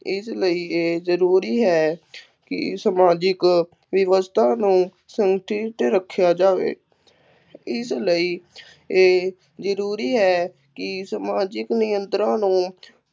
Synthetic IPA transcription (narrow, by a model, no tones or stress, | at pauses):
ɪsləiːeːzəɾuːɾiːɦɛː | kɪ̰səmaːd͡ʒɪk | ʋɪʋəst̪ʰaːnũː | səŋɡʈiʈ̪ɾəkʰːjaːd͡ʒaːʋḛː | ɪsləiː | eː | zəɾuːɾiːɦɛː | kɪsəmaːd͡ʒɪknɪjə̃nt̪ɾãːnũː